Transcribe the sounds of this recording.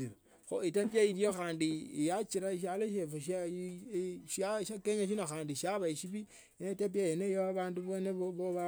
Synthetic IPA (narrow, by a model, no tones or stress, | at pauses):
xo̰itapjaiɾjoxaːndijat͡ʃiɾaiʃ̬aloʃ̬efoʃa | ʃaʃakeɲaʃ̬inaxaːndiʃaβaiʃiβi | jeneitap̬jajenejoaβaːnduβoneoβoβa